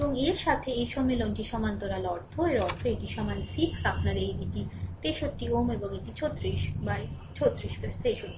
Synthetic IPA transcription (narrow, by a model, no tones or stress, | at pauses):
eboŋeɾʃat̪ʰeejʃɔmːelonʈiʃɔmant̪oɾalɔɾt̪ʰoeɾɔɾt̪ʰoeʈiʃɔmansit̪ʰkapʰnaɾejbiʈit̪eʃotːiomeboŋekʈit͡ɕʰot̪ːɾiʃbaj | t͡ɕʰot̪ːɾiʃpest̪eʃoʈːi